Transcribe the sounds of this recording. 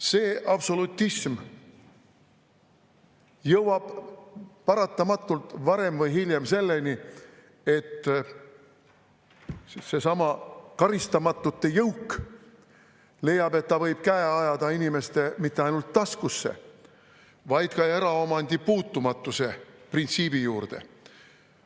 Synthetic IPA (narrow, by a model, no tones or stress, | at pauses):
se̞ːʔɑb̥so̞lut̪ːism | jɤwwɑb̥ | pɑɾɑt̪ːˑɑmɑt̪ˑːult̪vɑɾe̞mvɤjɦilʲjemse̞lːe̞ni | e̞t̪ː | se̞sɑmɑkɑɾist̪ɑmɑt̪ːˑut̪ːe̞jɤwkː | le̞jːɑbe̞t̪ːɑvɤ̞jb̥̚kæeɑjɑd̪̥ɑinime̞st̪e̞mit̪ːe̞ɑjnult̪ːɑskusːe̞̰ | vɑjd̪̥kɑe̞ɾɑo̞mɑnd̪̥ipuːt̪ːˑumɑt̪ːˑuse̞print̪siːb̥ijuːrd̪̥e̞̰